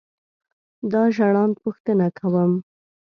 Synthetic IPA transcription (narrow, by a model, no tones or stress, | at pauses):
d̪ɑʒaɽɑnd̪puxt̪ənakʰawəm